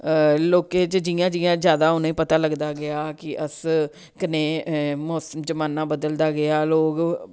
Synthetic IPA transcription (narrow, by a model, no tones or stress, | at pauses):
loːkeːt͡ʃd͡ʒɪjãːd͡ʒɪjãːd͡ʒjaːd̪aːʊnõiːpət̪aːləɡd̪aːɡɪaːkɪʔəs | kɪneːmoːsəmd͡ʒəmaːnãːbəd̪əld̪aːɡɪaːloːɡ